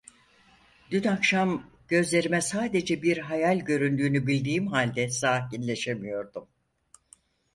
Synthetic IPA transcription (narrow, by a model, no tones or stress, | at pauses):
d̪̥ynakʃam | ɟ̥ø̞zlʲe̞ɾimɛsaːd̪e̞d͡ʒɛbiɾɦajalʲɟø̞ɾynd̪yːnybilʲd̪iːmɦalʲd̪ɛsaːcinlʲe̞ʃe̞mijo̞ɾd̪um